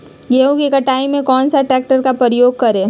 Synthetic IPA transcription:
ɡeːũkikɐʈaːimẽkɔːnsaʈɾɛːk̚ʈəɾkapəɾəjoːɡ̚kɐɾẽː

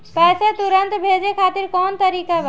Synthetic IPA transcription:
pɛset̪uɾənt̪bʱed͡ʒekʰat̪iɾkɔnt̪əɾikab

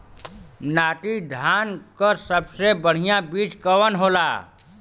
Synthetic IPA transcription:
naːʈid̪ʱaːnkəsəbsebəɽ̤ijabiːt͡ʃkəwənɦoːlaː

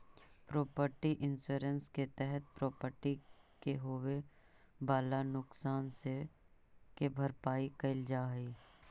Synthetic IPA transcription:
pɾoːpəɾʈiʔɪnsuːɾənsket̪ɛɦət̪̚pɾɔːpəɾʈikeɦowe | baːlanʊksaːnse | kebʱɐɾpaːikɐɪld͡ʒaːɦiː

